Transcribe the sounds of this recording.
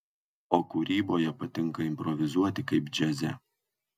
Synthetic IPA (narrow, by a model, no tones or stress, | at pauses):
oːkuɾʲiːboːjɛpɐt̪ʲɪŋˑkɐɪmʲpɾɔʋʲɪzuɔt̪ʲɪkɐɪpd͡ʒʲɛzʲɛ